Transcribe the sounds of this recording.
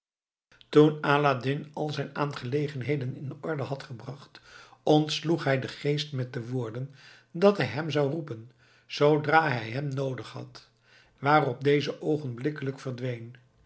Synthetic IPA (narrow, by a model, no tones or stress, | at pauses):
tunaːladɪnɑlˠzɛjnaːnχəlejχənɦejdənɪndəʔɔɹdəɦɑtχəbrɑχtɔntsluχɦɛjdəχejstmɛt̚dəʋʊːɹdən | dɑtɦɛjɦɛmzɑwrupən | z̥owdraːɦɛjɦɛmnowdəχhɑ̰t | ʋaːrɔp̚dejzəʔowχənblɪkələkfərdʋejn